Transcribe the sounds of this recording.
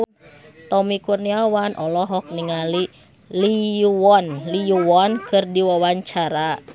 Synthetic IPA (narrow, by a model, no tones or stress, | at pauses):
t̪ɔmikurniawanʔɔlɔɦɔk̚niŋali | lijuwɔnlijuwɔnkɨrdiwawaɲt͡ʃaɾa